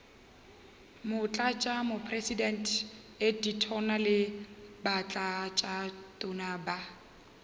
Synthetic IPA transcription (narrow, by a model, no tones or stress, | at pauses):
mʊt͡ɬʼat͡ʃʼamʊpʰresidɛntʰ | editʰɔnalɪbat͡ɬʼat͡ʃʼatʼʊnaba